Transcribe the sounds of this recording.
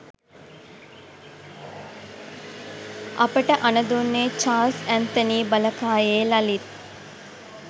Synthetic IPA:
ʔɐpəʈəʔɐnɐd̪unːeːt͡ʃaːlsænt̪əniːbɐləkaːjeːlɐlit̪

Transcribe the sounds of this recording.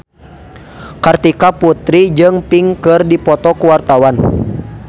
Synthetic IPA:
kart̪ikaput̪ɾid͡ʒɨŋpiŋkɨrdipɔt̪ɔkuwart̪awan

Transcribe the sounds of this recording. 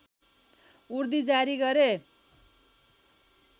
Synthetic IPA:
uɾd̪id͡zaɾiɡʌɾe

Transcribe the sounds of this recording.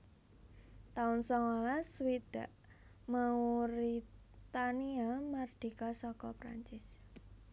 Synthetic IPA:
t̪aʊnsɔŋolaswid̪̥ä̤ʔ | mauɾi | t̪aniamard̪̥i̤kasɔkɔpɾa̰ɲt͡ʃɪs

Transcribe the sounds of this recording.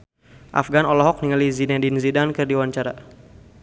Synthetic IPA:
ʔa̰fɡanɔlɔɦɔk̚niŋalizinadinzidankɨrdiwaɲt͡ʃaɾa̰

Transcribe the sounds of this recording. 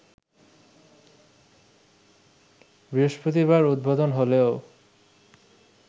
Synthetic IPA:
bɾioʃpɾot̪̬iβaɾud̪̚bʱod̪onɦoleo

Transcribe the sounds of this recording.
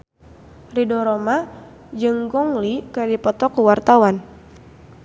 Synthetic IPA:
ridɔɾɔma | d͡ʒɨŋɡɔŋlikədipɔt̪ɔkuwart̪awan

